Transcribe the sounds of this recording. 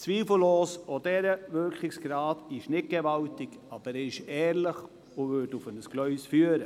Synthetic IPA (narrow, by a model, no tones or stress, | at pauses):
t͡sʋiːfl̩loːsod̥ɛɾəʋʏɾkχɪksɡ̥ɾɑːdɪʃnɪt̚ɡ̥eʋɑltɪk | ɑb̥əɾɛɪʃɛːɾləχ | ʊʋʏɾdʊfənəsɡ̥lœʏsfyːəɾə